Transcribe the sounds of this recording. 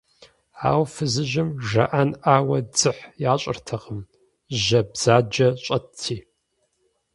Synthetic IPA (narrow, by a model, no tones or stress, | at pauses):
a̰ːwfɨzɨʒɪmʒɐ̰ʔanʔaːwɐd͡zɨħjaːɕʼɪrtʰɐʁəm | ʒɐbz̥aːd͡ʒɐɕʼɐtʰːiː